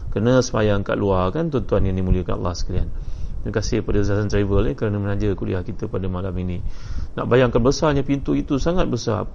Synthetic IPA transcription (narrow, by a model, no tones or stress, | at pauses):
kərnəsəma̰jaŋka̰ʔluarkant̪ɔnt̪uanjaŋimũliəkana̰lːa̰hsə̥kalia̰nəəkasɪhpadazaatant̪ɾavəlɪkəɾanəmənad͡ʒəkudḭahkit̪əpadamalaminĩna̰ʔbajaŋkanbəsaɲapint̪uʔit̪usaŋat̪̚bəsa̰